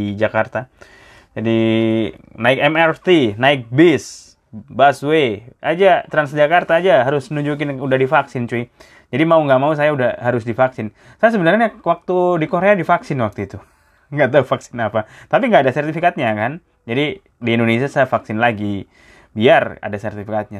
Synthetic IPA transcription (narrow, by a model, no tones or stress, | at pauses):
d͡ʒakart̪a | d͡ʒadi | naɪkɛmɛrt̪inaɪk̚bɪs | baswead͡ʒat̪ɾansd͡ʒakart̪aːd͡ʒaɦaɾʊsmənuɲd͡ʒuk̬ɪnudahdifaksɪnt͡ʃui | d͡ʒadimauŋɡaʔmaus̬ajaudahɦaɾʊsdifaksɪn | sajas̬əbənarɲaɲawak̚t̪udikoɾeadifaksɪnwak̚t̪uit̪u | ŋɡaʔt̪aufaksɪnapat̪apiŋɡaːdasɛrt̪ifikat̪̚ɲakan | d͡ʒadi | diːndonesiasajafaksɪnlaɡi | biara̰dasɛrt̪ifikat̪̚ɲa